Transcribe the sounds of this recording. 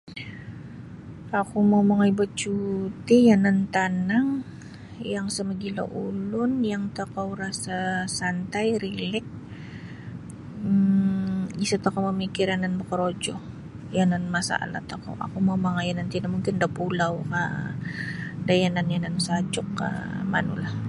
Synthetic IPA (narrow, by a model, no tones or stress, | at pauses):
akumawmaŋajbət͡ʃut̪ijanant̪anaŋ | jaŋsəməɡila̰ʔulʊnjaŋt̪akawɾasasant̪ajɾilɛk̚ | isat̪akawməmikɪɾananməkəɾod͡ʒɔh | jananmasa̰a̰la̰t̪ako̰wʔa̰kumawmaŋajanant̪inamuŋkɪndapulawka | dajananjanansad͡ʒʊkːa̰ma̰nṵlah